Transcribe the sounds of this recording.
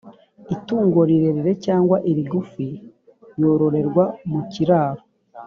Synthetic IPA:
ituːŋɡoɾiɾe̞ɾiɾe̞caːŋɡwaʔiɾiɡufi | ɾjo̞ɾo̞ɾe̞ɾɡwamuciɾaːɾo

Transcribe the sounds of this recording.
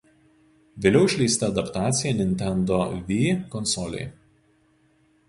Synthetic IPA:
ʋʲeːlʲɛʊɪʃʲlʲɛɪsʲt̪ʲɐɐd̪ɐpt̪ɑːt̪sʲɪjɛnʲɪnʲt̪ʲɛnd̪oʋʲiːkɔnsɔlʲɛ̰ɪ

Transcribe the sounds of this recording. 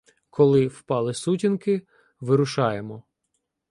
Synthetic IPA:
kʰɔlˠɪwpɑlˠɪsutʲinkɪ | ʋɪɾʊʃɑjemɔ

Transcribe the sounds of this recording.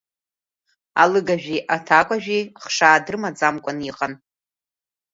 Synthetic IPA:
a̰lɨɡaʒᶣiʔatʰakʷʼaʒᶣiχʂaːdrɨmad͡zamkʷʼʊniqʼan

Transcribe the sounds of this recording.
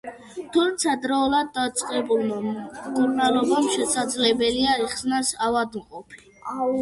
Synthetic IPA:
t̪ʰumt̪sʰad̪ɾaulad̪̚ːat̪sʼqʼɛbulˠmamkʼuɾnalˠɔbamʃɛsad̪zlɛbɛliaiχsnasavad̪mqʼɔpʰi̥

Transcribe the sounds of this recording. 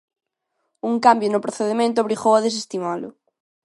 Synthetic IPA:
uŋkambjonʊpɾoθeðemẽnt̪ʊaβɾiɣowaðes̬est̪imalʊ̰

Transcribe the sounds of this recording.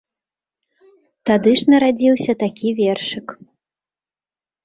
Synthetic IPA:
t̪ad̪ɨʂnɐɾad͡zʲiwsʲɐt̪akʲivʲɛrʂɨk

